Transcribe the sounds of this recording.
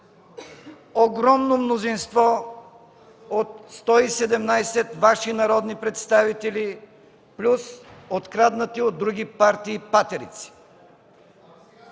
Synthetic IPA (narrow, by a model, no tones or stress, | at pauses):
oɡɾɔmnomnozinst̪vɔ | ot̪st̪ɔisɛd̪ɛmnajsɛt̪vaʃinɐɾɔd̪nipɾɛt̪st̪avit̪ɛli | plʲusot̪kɾad̪nət̪iod̪ːɾuɡʲipaɾt̪iːpat̪ɛɾḭt̪si̥